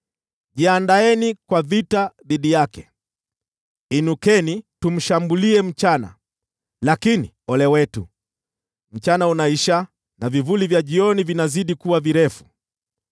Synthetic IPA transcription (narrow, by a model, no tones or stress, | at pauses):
ʄiandaɛnikwavitaðiɗijakɛ | inukɛnitum̩ʃambuliɛm̩t͡ʃana̰ | lakini | ɔlɛwɛtu | m̩t͡ʃanaunaiʃa | navivulivjaʄiɔnivinaziɗikuwaviɾɛfu̥